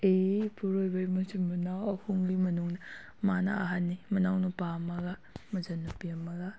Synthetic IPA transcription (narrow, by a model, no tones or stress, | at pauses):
epuɾojbɐɾimɐsimunawɐhuŋlimɐnuŋnɐ | manɐ̰aɦanːimunawnupamɐɡamɐzɐnːupiɐmɐɡa